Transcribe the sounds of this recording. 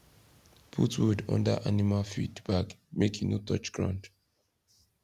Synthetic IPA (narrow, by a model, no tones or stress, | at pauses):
pʰutwudɔ̰̃ndə̰ʔanimalfḭdb̥akmekĩnutɔt͡ʃɡ̥ɹã̰nd